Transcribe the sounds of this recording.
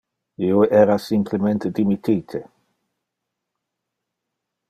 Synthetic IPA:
ioɛɾasimplement̪ed̪imit̪ʰiːt̪ʰe

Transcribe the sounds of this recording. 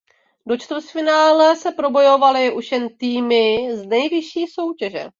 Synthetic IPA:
do̞t͡ʃt̪sfɪnaːlɛsɛpɾo̞bo̞jo̞valɪʔuʃjɛnt̪iːmɪznɛjvɪʃiːso̞wcɛʒɛ̰

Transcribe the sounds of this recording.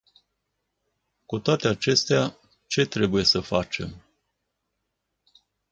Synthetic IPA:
kut̪oat̪e̞at͡ʃe̞st̪ea | t͡ʃe̞t̪ɾe̞buje̞səfat͡ʃe̞̰m

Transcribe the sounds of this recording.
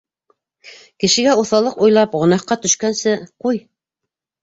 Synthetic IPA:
kɘ̆ʃɘ̆ɡæuθɑlˠɤqujlˠɑpʁŏnɑqːɑt̪ɵ̆ʃkænsɘquj

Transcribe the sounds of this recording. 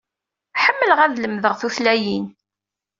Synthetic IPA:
ħəmːələʁæðləmðəʁθuθlæjin

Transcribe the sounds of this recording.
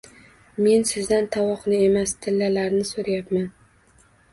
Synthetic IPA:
me̞nsɪzd̪ant̪ʰawɒqnɪe̞mast̪ʰɪlːalaɾnɪsoɾajapman

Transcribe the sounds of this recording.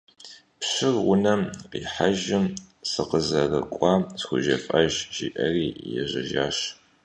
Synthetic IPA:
pɕɪrwʊnɐmqiːħaʒɪm | sɨqəzɐrɐkʷʼɑːsxʷʊʒɐfʼɐʒʒ̥iʔɐriːjɛʑɐʒaːɕ

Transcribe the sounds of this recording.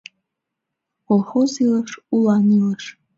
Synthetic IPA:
kolˠχoziləʂulaniləʂ

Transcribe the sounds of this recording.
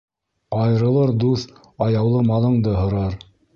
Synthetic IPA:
ɑjɾɤ̆lˠɤɾd̪uθ | ɑjɑwlˠɤmɑlˠɤ̆ɴd̪ɤɦŏɾɑɾ

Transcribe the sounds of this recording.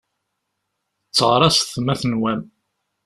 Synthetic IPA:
t͡sːəʁɾˤɑsθmæθnwæm

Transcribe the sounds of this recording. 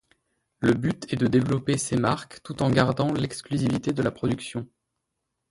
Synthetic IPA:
ləbyt̪ɛd̪əd̪evlɔpesemaʁkt̪ut̪ɑ̃ɡaʁd̪ɑ̃lɛksklyzivit̪ed̪əlapχɔd̪yksjɔ̃

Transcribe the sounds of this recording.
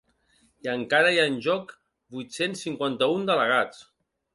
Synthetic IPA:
iəŋkaɾəjanʲʒɔk | bujt̪sensːiŋkwant̪əund̪ələɣat͡s

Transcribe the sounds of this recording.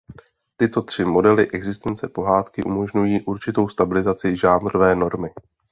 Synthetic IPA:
t̪ɪt̪o̞t̪r̝̥ɪmo̞dɛlɪʔɛɡzɪst̪ɛnt͡sɛpo̞ɦaːt̪kɪʔumo̞ʒɲujiːʔuɾt͡ʃɪt̪o̞wst̪abɪlɪzat͡sɪʒaːnɾovɛːno̞ɾmɪ

